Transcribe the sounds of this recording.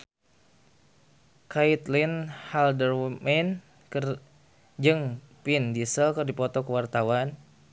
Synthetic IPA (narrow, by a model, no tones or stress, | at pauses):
kait̪linhaldərmɛn | k | d͡ʒɨŋ | pindisəlkɨrdipɔt̪ɔkəwart̪awan